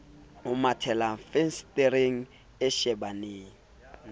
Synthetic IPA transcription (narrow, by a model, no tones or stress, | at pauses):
ʊmatʰɛlafɛnsteɾeŋ̩ | ɛʃɛbanɪː